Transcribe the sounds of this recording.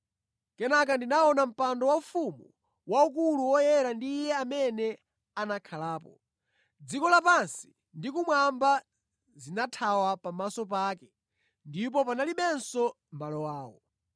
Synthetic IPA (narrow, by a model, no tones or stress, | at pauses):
kɛnak̬andinaɔnam̩pandɔwaufumu | wauk̬uluwɔjɛɾandiːjɛamɛnɛ | anakʰalaːpɔ̰ | d͡zikɔlapansi̥ | ndikumwamba | zinatʰawapamasɔp̬aːkɛ | ndip̬ɔpanaliɓɛnsɔ | malɔwaːwɔ̰